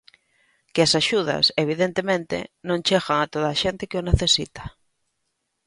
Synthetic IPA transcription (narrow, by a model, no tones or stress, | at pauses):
kɪasaʃuð̞ɐ̰seβ̞iðent̪emẽnt̪ɪ̰nõŋt͡ʃeɣaŋat̪oðaːʃent̪ɪkɪʊneθesit̪ḁ